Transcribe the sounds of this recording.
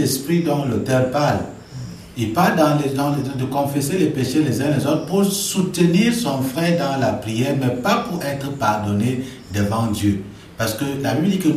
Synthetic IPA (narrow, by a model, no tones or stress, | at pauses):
ɛspχid̪ɔ̃klot̪ɛʁpal | epad̪ɑ̃lɛdɔ̃d̪əkɔ̃fɛselɛpeʃelɛzɛ̃lɛzot̪χə̥puʁsut̪əniʁsɔ̃fʁɛd̪ɑ̃lapʁijɛːʁmɛpapuʁɛt̪χəpaʁd̪ɔne | d̪əvɑ̃d̪jø | paʁsə̥kəlabibld̪ikə